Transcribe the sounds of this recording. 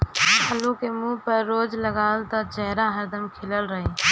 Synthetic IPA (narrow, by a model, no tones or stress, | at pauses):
pʰəlũkemũːpəɾːoːd͡ʒləɡaːlt̪ad͡ʒɛɦɾaɦəɾd̪əmkʰɪləlɾəɦe